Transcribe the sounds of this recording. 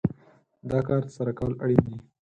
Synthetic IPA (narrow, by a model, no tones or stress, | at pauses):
d̪ɑkɑɾt̪ə̥saɾakawlaɽid̪i